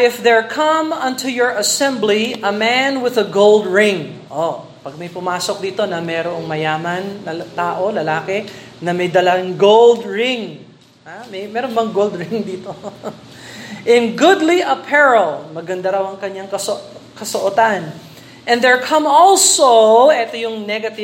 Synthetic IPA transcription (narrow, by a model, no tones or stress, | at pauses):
ɪfðɛɹkʰɐ̃mɐ̃nt̪ujɔɹʔɐsɛ̃mbliʔɐmænwɪðɐɡowld̪ɹɪ̃ŋʔo | pɐɡ̚mɐjpʊmaːsok̚d̪iːt̪o̞nɐmɛːɾoʔɐŋmɐjaːmɐnːɐt̪aːʔolɐlaːkɛ | nɐmɐjd̪ɐlɐŋɡowld̪ɹɪ̃ŋ | amɛjmɛːɾonbɐŋɡold̪ɹɪŋd̪iːt̪o | ʔɪ̃nɡʊd̪liʔɐpʰɛɹɐlmɐɡɐnd̪aɾɐwɐŋkɐɲːaŋkɐsokɐsoʔot̪an | ʔɛ̃nd̪ɛɹkʰɐ̃mɔlsoʔɛt̪ojʊŋnɛɡɐt̪ɪ